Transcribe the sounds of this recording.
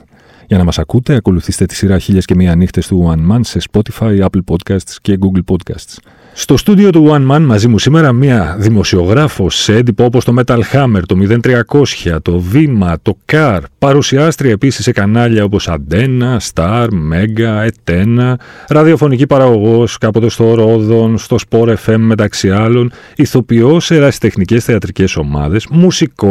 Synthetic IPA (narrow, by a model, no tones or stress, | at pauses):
ʝɐnɐmɐsɐkut̪e̞ɐko̞luθist̪e̞t̪isiɾɐçiʎesce̞miɐnixt̪e̞st̪uwɐnmɐnse̞spo̞t̪i̥fɐjɐplpo̞d̪kɐst̪sce̞ɡuɡlpo̞d̪kɐ̰st̪s | st̪o̞st̪ud̪io̞t̪uwɐnmɐnmɐzimusime̞ɾɐmiɐðimo̞sio̞ɣɾɐfo̞send̪ipoopo̞st̪o̞me̞t̪ɐlxɐme̞ɾt̪o̞miðe̞nt̪ɾiɐko̞sçɐt̪o̞vimɐt̪o̞kɐɾpɐɾusiɐst̪ɾiɐepisisːe̞kɐnɐʎɐo̞po̞sɐ̰nd̪e̞nɐst̪ɐɾme̞ɡɐe̞t̪enɐɾɐðio̞fo̞nicipɐɾɐɣo̞ɣo̞skɐpo̞t̪e̞st̪o̞ɾo̞ðo̞nst̪o̞spo̞ɾe̞fe̞mːe̞t̪ɐksiɐlo̞n | iθo̞pio̞seɾɐsi̥t̪e̞xnice̞sθeɐt̪ɾice̞so̞mɐ̰ðe̞smusiko